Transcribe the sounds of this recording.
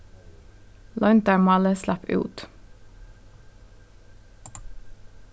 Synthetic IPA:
lʔɔʏnt̪əɹmɑləslæpʉ̰ːt̪

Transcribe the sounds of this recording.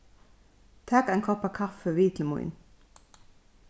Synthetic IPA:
t̪ʰæːkæɪŋkʰɔpɑkʰɑfəʋiːt̪ʰl̩mʊḭn

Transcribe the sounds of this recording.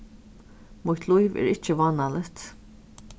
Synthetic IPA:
mʊht̪lˠujvɛ̰ːɾɪt͡ʃəʋɑːnalət̪

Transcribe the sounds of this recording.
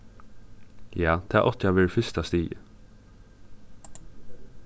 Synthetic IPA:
jɑːd̪̥ʰæ̰ːʔɔt̪ʰjɑʋɪɹfʏst̪ɑst̪iːə

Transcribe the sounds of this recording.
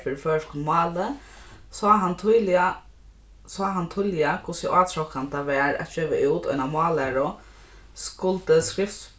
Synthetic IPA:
fɪɾfœːʂkʰʊnmɑːlə | sɔɦant̪ʰuːlɪa | saɦant̪ʰulɪakʰʊsəʔaːt̪ʰɾɔkant̪aʋɛːɹɛ̰t̪̚d͡ʒøːʋaʔuːt̪ɔ̰namɑːlæɹʊ | skʊlt̪əskɾɪft̪s

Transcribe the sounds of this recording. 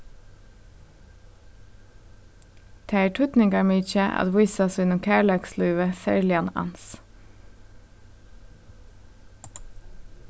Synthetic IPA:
t̪ʰæɪʈʰʉt̪nɪŋɡɑɹmiːt͡ʃəʔɑ̰d̪ʋʊɪsɑsʉnʊmkʰæːɭɑkslʉːʋəsæ̰ɹlɪɑnɑ̰ns

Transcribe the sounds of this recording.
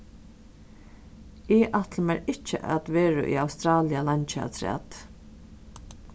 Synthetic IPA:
ɪʔat̪ləmɛɾɪt͡ʃːə̰ʔa̰t̪ʋɛːɹə̰ʔḭawst̪ɾaːlɪalant͡ʃa̰t̪ʰɾɛ̰ːt̪

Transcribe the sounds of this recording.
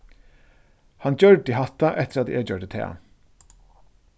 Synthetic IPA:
hɑndd͡ʒœɹɖiːhɑt̪ɑʔɛt̪əɾɑt̪d̪ḭʔeːd͡ʒœɖət̪ʰḛːɑ̰

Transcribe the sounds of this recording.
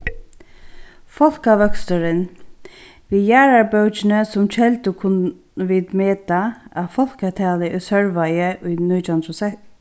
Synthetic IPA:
fɔl̥kaʋœkst̪əɾɪn | vijæːɹaɹbœwt͡ʃɪnəsʊmt͡ʃʰɛlt̪ʊkʰʊn | ʋɪːt̪meːt̪aafɔl̥kat̪ʰaːlɪʔɪsœɹʋajəʔʊjnujt̪ʰant̪ʰuʊsɛ

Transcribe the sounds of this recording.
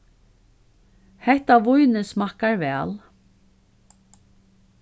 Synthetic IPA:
hɛht̪aʋʊjnɪsmahkaɹvɛːl

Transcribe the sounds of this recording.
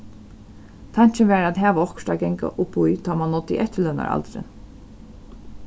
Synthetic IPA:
t̪ʰaɲ̥t͡ʃɪnʋɛːɾæd̪ɦæːʋaɔkʃt̪aɡɛŋka̰ʔʊpujt̪ʰaːmanːɔt̪ːɪ̰ʔɛht̪ːəlœna̰ɾa̰lt̪ɾɪ̰

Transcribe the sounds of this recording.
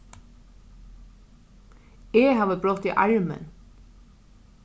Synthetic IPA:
eːhɑːʋəbɾɔt̪iːʔɑ̰ɹmə̰n

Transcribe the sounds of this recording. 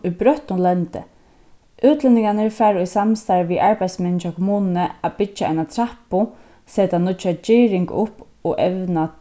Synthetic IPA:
ʊjbɾœht̪nʊlɛnt̪ɪ̰ | ʔʉːt̪lɪnɪŋkanəɹfɛːɾʊjsamst̪aɹʋiʔaɹpajd̪smɛnɪʃakʰɔmuːnnəapɪt͡ʃːaʔa̰jnat̪ʰɾahpʊ | seːt̪anʊt͡ʃat͡ʃiːɾɪŋkʊhp | ɔʔɛʋna

